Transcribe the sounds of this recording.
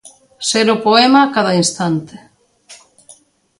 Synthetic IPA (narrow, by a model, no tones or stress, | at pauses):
seɾʊpoemakaðɐinst̪ant̪e̥